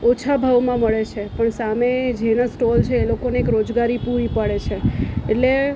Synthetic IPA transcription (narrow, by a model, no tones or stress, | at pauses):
ot͡ʃʰabʱaʋmãməɭet͡ʃʰepəɳsamed͡ʒenasʈolt͡ʃʰeːlokoneekɾod͡ʒɡaɾipuɾipəɽet͡ʃʰeeʈle